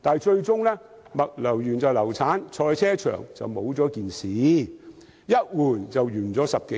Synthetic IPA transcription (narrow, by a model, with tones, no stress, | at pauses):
t̪aː˨nt͡ʃɵ˧ɥt͡sʊ˥ŋlɛː˥mɐ˨t̚lɐ˨˩wjyː˨˩nt͡sɐ˨˩wlɐ˨˩wt͡sʰaː˨˥nt͡ʃʰɔː˧jt͡sʰɛː˥t͡ʃʰœ̰ː˨˩ŋt͡sɐ̰˨wmo˨˥wt͡sɔː˨˥kiː˨nsiː˨˥˦ | jɐ˥t̚wuː˨˩nt͡sɐ˨wjyː˨˩nt͡sɔː˨˥sɐ˨p̚ke˨˦˥